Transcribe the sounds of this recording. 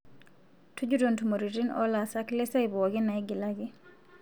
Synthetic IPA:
tud͡ʒudontumoɾitinɔ̰lasaklesajbɔɡinajɡilaɡi

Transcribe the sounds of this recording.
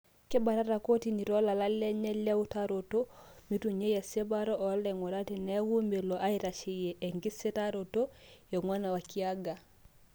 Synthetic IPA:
kebaɾaɾakotiniɾolalalːeɲelewutaɾotomituɲejesebaɾoʔoleŋoɾatenewumbeloʔaiɾaʃijeʔeŋɡisetaɾotojeŋwanawakiaɡa

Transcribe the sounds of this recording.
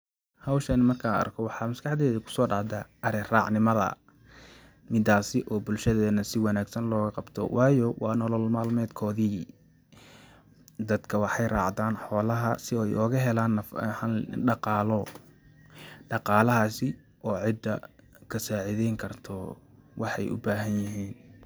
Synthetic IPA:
hɐwʃɐnɪmɐrkʰaɐ̰rkʰɔwɑħɑːmɐskɑħd̪ɛːðɐkʰʊ̥sɔːɖɑːʕd̪aːʔɐɾɛrɑːʕnɪmɐðɐ̰ | mɪd̪aːsɪʔɔːbʊlʃɐðɛːnɐsɪwɑnaːɡsɐnlɔːɣɐqɑbt̪ʰɔ̰wʔɑːjɔwɑːnɔlɔlmaːlmɛːd̪kʰɔːðiː | d̪ɐd̪kʰɐwɑħɑjrɑ̰ːʕd̪aːnħɔːlɐɦɐsɪjʔɔːɣɐɦɛlaːnːɐfħɑɖɑqɑːlɔ | ɖɑqɑːlɐɦaːsɪ | ɔːʕɪd̪ɐ | kʰɐsaːʕɪðɛjŋkʰɐrt̪ʰɔwɑħɑjʔʊ̰baːɦɐnjɪɦiːn

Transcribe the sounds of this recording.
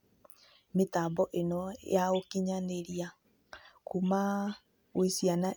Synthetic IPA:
metaːbɔʔenɔjaokiɲaneɾia | kuma | wesiana

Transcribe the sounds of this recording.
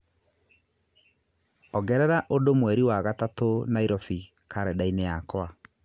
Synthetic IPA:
ɔɡɛɾɛɾaʔodomwɛɾiwaɣatatonaiɾɔfi | kʰaɾɛdaineakwa

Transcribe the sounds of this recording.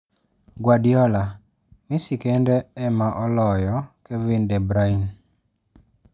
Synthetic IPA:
ɡwadjɔla | misikendɛɛmaʔɔlɔjɔkevindɛbɾain

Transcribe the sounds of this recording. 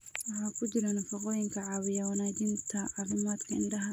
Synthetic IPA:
wɑħɑːkʰʊt͡ʃɪɾɐnɐfɑqɔːjɪŋkʰɐʕɑːwɪjɐwɐnaːd͡ʒɪnt̪ʰɐʕɑɾɪmaːd̪kʰɐɪnɖɐɦɐ

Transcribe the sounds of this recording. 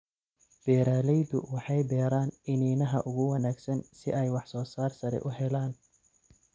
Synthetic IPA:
b̥ɛːɾaːlɛjd̪ʊ̰wɑħɑjbɛːɾaːnɪniːnɐɦɐ̰ʔʊɣʊwɑnaːɡsɐnsɪʔɛjwɑħsɔːsaːrsɐɾɛ̰ʔʊɦɛlaːn

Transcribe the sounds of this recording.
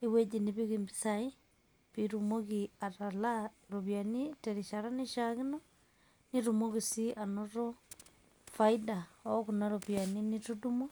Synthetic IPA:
eβwed͡ʒiniβiɣimbisai | βiɾumoɣiatala | ɾoβjaniteɾiʃaɾaniʃaɣino | niɾumoɣisiʔanoɾo | faidaokunaɾoβjaninitudumo

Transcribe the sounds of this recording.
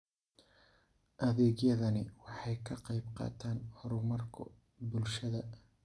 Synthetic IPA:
ʔɐðɛːɣjɐðɐnɪwɑħɑjkʰɐqɑjbqɑ̰ːt̪ʰaːnhɔɾʊmɐrkʰʊ̰ | bʊlʃɐðɐ

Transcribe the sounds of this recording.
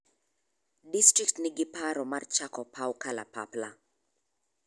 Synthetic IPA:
distɾiktnɪɡɪpaɾɔmart͡ʃakɔpʰawkalapapla

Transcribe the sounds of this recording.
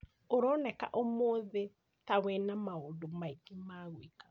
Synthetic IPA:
oɾɔnɛka̰ʔomoðe | tawɛnamaoːndomaikimaɣwika

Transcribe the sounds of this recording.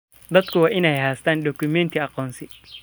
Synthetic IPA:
d̪ɐd̪kʰʊwaːʔɪnɛjhaːst̪ʰaːnɖɔkʊmɛnt̪ʰiɑqɔːnsɪ

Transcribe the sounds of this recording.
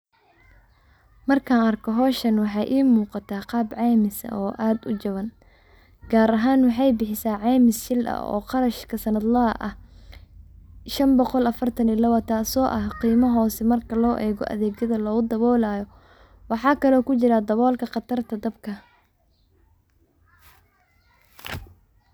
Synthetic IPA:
mɐrkʰaːnɐrkʰɔɦɔːʃɐnwɑħɑjʔiːmuːqɑt̪ʰaːqɑːbʕɑːmɪsɐ̰ʔɔːʔaːd̪ʊt͡ʃɐβɐn | ɡ̥aːɾɐɦaːnwɑħɑjbɪħɪsaːʕɑːmɪsʃɪlɐ̰ɔ̰ːqɑɾɐʃkʰɐsɐnɐd̪lɐɐʔɐ̰h | ʃɐmbɔqɔlɐfɐrt̪ʰɐnɪlɐwɐt̪ʰaːsɔːʔɐhqiːmɐɦɔːsɛmɐrkʰɐlɔːʔɛːɣɔ̰ʔɐ̰ðɛːɡjɐðɐlɔːɣʊd̪ɐβɔːlaːjɔ | wɑħɑːkʰɐlɔːkʊt͡ʃɪɾad̪ɐβɔːlkʰɐqɑt̪ʰɐrt̪ʰɐd̪ɐbkʰɐ

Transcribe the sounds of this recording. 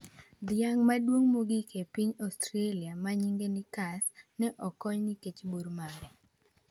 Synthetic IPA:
d̪ɪaŋmadwoŋmoɡikʰepiɲɔstɾeliamaɲiŋɡenikasnɛʔɔkɔɲniket͡ʃbuɾmaɡɛ

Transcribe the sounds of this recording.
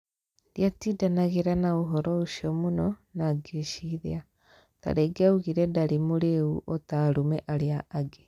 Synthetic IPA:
djatiːdanaɣeɾanaoɦɔɾɔuʃiɔmonɔnaɡeʃiðea | ta̰ɾeɡeauɣiɾɛdaɾimoɾeuʔɔtaɾumɛʔaɾeaaɡe

